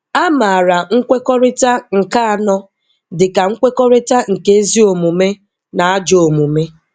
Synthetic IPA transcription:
a˦ma˨a˨ɾa˨ŋ̩˦kʷe˦kɔ˦ɾɪ˦ta˦ŋ̩˨ka˦a˨nɔ˦ | dɪ˨ka˨ŋ̩˦kʷe˦kɔ˦ɾɪ˦ta˦ŋ̩˨ke˦e˦zi˦o˨mu˨me˦ | na˨a˦d͡ʒo˨mu˨me˦

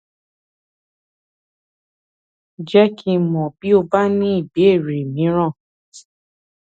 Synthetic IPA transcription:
d͡ʒɛ˦kʰĩ˧mɔ̃˨bi˨˦o˧ba˦nĩ˦i˦˨bi˨˦e˦˨ɾe˨mĩ˨˦ɾ̃ɔ̃˦˨

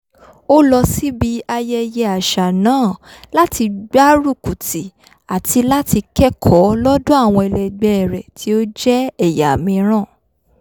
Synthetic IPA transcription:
o˦lɔ˧si˦bi˦a˧jɛ˦jɛ˧a˨ʃa˨nãː˨˦˨la˦ti˧ɡ͡ba˦ɾu˦˨ku˨ti˨ | a˨tʰi˧la˦ti˧kɛ˦kʰɔ˨˦lɔ˦dũ˦a˦˨w̃ɔ̃˧ɛ˨lɛ˨ɡ͡bɛ˧ɛ˨ɾɛ˨tʰi˨˦o˦d͡ʒɛ˦ɛ˦˨ja˨mĩ˧ɾ̃ã˦˨

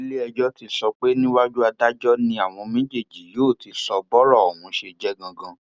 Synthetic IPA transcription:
i˦le˦ɛ˧d͡ʒɔ˦ti˧sɔ˧k͡pe˦nĩ˦wa˦d͡ʒu˦a˧da˦d͡ʒɔ˦nĩ˧a˨w̃ɔ̃˧mĩ˦d͡ʒe˦˨d͡ʒi˨˦joː˦˨ti˧sɔ˧bɔ˦ɾɔ˦˨o˨wũ˨˧˦ʃe˧d͡ʒɛ˦ɡã˧ɡã˧

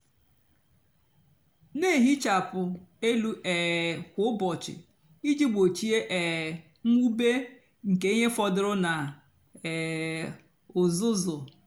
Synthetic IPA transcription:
ne˦˨ɦi˦t͡ʃa˨pʊ˨e˦lu˦ʔɛ˨kʷʊ˦bɔ˨t͡ʃɪ̰˨ | i˦d͡ʒi˦ɡ͡bo˨t͡ʃi˦e˦ʔɛ˨ | ŋ̩˦u˦be˦ | ŋ̩˨ke˨˦i˦ɲe˦fɔ˦dʊ˨ɾʊ˦na˨ | ʊ˨zʊ˦zʊ˨

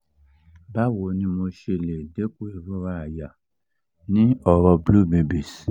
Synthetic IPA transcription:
ba˦wo˨nĩ˧mo˧ʃe˧le˨de˦ko˦e˨βu˦ɾa˦˨ja˨ | nĩ˦ɔ˨ɾɔ˧blu˦˨be˨bi˨s

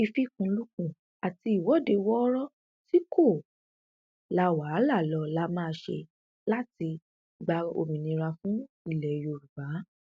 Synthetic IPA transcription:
i˧fi˦kũ˧lu˦kũ˧˨ | a˨ti˧i˨wɔ˨˦˨de˧wɔ˦ɾɔ˦ | ti˦kʰo˦˨ | la˧wa˨˦la˦˨lɔ˧˦la˦mãː˦˧ʃḛ˧ | la˦ti˧ | ɡ͡ba˧o̰˧mĩ˨nĩ˧ɾa˧fũ˦ | i˦˨lɛ˨jo˧˨ɾu˨ba˨˦

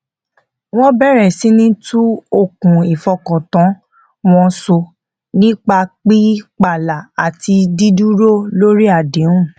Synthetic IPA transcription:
w̃ɔ̃˦bɛ˦˨ɾɛ˨sĩ˦nĩ˦tu˦o˦˨kũ˨i˨fɔ˧kɔ̃˨tɔ̃˨˦ | w̃ɔ̃˧so˧ | nĩ˦k͡pa˧k͡pi˦k͡pa˨la˨a˨ti˧di˦du˦ɾo˦˨lo˦ɾi˦a˦˨dẽ˨˦ũ˦˨

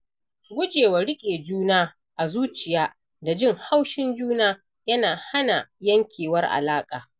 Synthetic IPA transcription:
ɡʷʊ˦d͡ʒeː˨wa˨ɽɪ˦kʲʼeː˨d͡ʒuː˦naː˦ | ʔa˨zuː˦t͡ʃɪ˨jaː˦ | da˨d͡ʒɪ˦˨ŋha˦wʃɪ˦nd͡ʒuː˦naː˦ | jɐ˦naː˨ha˦na˨jɐ˦ŋkʲʰeː˨wɐ˦rʔa̰˨laː˦kʼaː˨

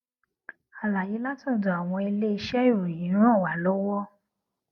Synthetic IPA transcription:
a˨la˨ji˨˦la˦tũ˦˨do˨a˨w̃ɔ̃˧e˧le˦i˧ʃɛ˦i˦˨ɾo˨jĩ˨˦nũ˦ɔ̃˦˨wa˨lo˦wɔ˦

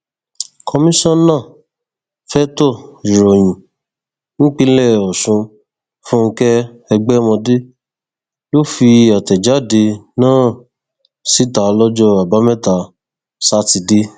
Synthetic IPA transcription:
kʰɔ˧mĩ˦ʃɔ̃˦nãː˦˨ | fɛ˦tɔ˦˨i˨ɾo˨j̃ĩ˨ | nĩ˦k͡pĩ˦lɛ˦˨ɔ˨sũ˧ | fũ˦ŋ̩˧kɛ˦ | ɛ˧ɡ͡bɛ˦mɔ̃˧de˦ | lo˦fi˧a˨tɛ˨d͡ʒa˨˦˨de˧nãː˦˨ | si˦ta˨˧lɔ˦d͡ʒɔ˦a˨ba˨˦mɛ˦˨ta˨˦ | sa˦ti˧de˦

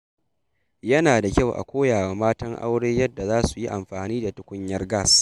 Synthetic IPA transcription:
jɐ˦naː˨da˨kʲa˦˨wʔa̰˨kʷoː˦jaː˨waː˨maː˦tɐ˦ŋʔa̰˦wɽeː˦jɐ˦dːa˨zaː˦su˨ji˦ʔa˨mɸaː˨niː˦da˨tʊ˨kʷʊ˦ɲjɐ˦rɡa˦˨s

